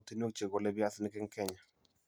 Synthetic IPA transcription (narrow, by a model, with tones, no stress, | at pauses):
t̪i˦n˦o˦kt͡ʃe˨ɡo˨lɛ˦bja˦snɪ˦kɪ˦ŋkɛ˦ɲa˨